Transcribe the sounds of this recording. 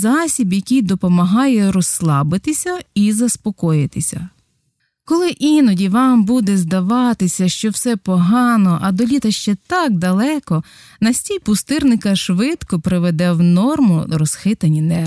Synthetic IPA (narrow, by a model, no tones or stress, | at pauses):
zɑsʲibjɐkʲijd̪ɔpɔmɐɦɑjɛɾɔsːlˠɑbɪt̪ɪsʲɐizɐspɔkɔjɪt̪ɪsʲɐ̰ | kɔlˠɪʔinɔdʲiʋɑmbud̪ɛzd̪ɐʋɑt̪ɪsʲɐʃt͡ʃɔwsɛpɔɦɑnɔʔɐd̪ɔlʲit̪ɐʃt͡ʃɛt̪ɑk̚d̪ɐlˠɛkɔ | nɐsʲtʲijpʊst̪ɪrnɪkɐʃʋɪt̪kɔpɾɪʋed̪ɛwnɔrmʊ̰ɾɔsxɪt̪ɐnʲinɛ